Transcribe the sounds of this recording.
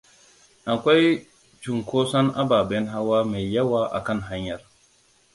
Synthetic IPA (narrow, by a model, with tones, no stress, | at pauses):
ʔa˨kʷa˦j | d͡ʒu˨ŋkoː˦sɐ˦nʔa̰˦baː˨bɛ˦nɦa˦waː˦me˨jːɐ˦waː˦ʔa̰˨kɐ˦nɦa˦ɲjɐ˨r